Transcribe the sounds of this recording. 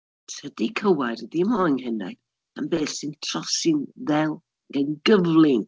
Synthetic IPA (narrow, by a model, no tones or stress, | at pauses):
tʰədikʰəwajɾdɪmɔŋɦɛnɛ̰ | a̰mbeːθsɨntʰr̥ɔsɪnðɛlˠ | ɡanɡəvlˠɪn